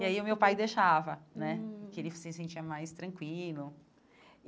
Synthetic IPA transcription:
iaiʊmewpajd̪eʃavɐnɛkɪelɪfsẽsẽt͡ʃiɐmajst̪ɾɐ̃kwilʊ

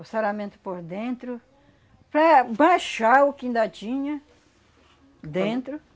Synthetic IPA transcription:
ʊsaɾamẽnt̪ʊ̥poɾd̪ẽnt̪ɾʊ | pɾɐbaʃaɾʊkĩnd̪ad͡ʒĩɲɐ | d̪ẽnt̪ɾʊ

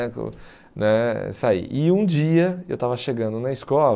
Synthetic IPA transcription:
kʊ̰ | nɛsaḭʔɪũd͡ʒiɐewt̪avɐʃeɡɐ̃nd̪ʊnɐɪskɔl

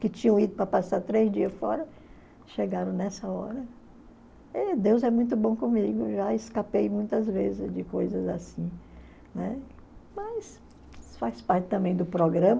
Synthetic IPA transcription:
kɪt͡ʃĩɲɐ̃w̃id̪ʊpɾɐpasaɾt̪ɾezd͡ʒiɐsfɔɾɐ | ʃeɡaɾɐ̃w̃nɛsɐɔɾɐ | ɛd̪ewzɛmũj̃t̪̬ʊbõw̃kõmiɡʊʒaɪskapejmũj̃t̪ɐzvezɪzd͡ʒɪkojzɐzasĩ | nɛ | mɐs | faspaɾtɪ̥t̪ɐ̃mbẽj̃d̪ʊpɾoɡɾɐ̃mɐ

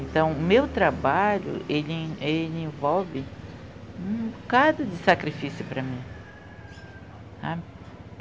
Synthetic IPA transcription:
ẽnt̪ɐ̃w̃mewt̪ɾabaʎʊ̰ʔelɪẽʔelɪẽvɔwvɪ | ũkad̪ʊd̪ɪsakɾifisjʊpɾɐmĩ | a

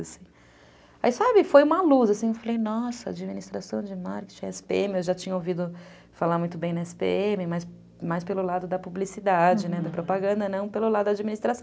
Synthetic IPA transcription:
asĩ̥ | aisabɪfojũmɐluzasĩewfalejnɔsɐa̰d͡ʒiminist̪ɾasɐ̃w̃d͡ʒɪmaɾke̥t͡ʃĩɛsɪ̥pḛẽmɪewʒat͡ʃĩɲɐowvid̪ʊ | falaɾmũj̃t̪ʊbẽj̃nɐɛsɪ̥pḛẽmɪmajs | majspelʊlad̪ʊd̪ɐpublisid̪ad͡ʒɪnɛd̪ɐpɾopaɡɐ̃nd̪ɐnɐ̃w̃pelʊlad̪ʊd̪ɐad͡ʒiminist̪ɾasɐ̃w̃

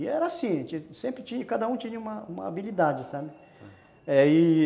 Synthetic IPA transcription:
ɪɛɾɐasĩt͡ʃisẽmpɾɪt͡ʃĩɲɐkad̪ɐũt͡ʃĩɲɐũmɐũmɐ̰a̰bilid̪ad͡ʒɪsabɪ | ɛɪ

